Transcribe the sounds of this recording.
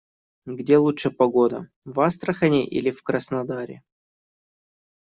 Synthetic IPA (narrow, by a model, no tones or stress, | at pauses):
ɡdʲelˠuʂɨpɐɡod̪ə̰ | vast̪ɾəxɐnʲɪʔḭlʲɪfkɾəsnɐd̪aɾʲɪ̰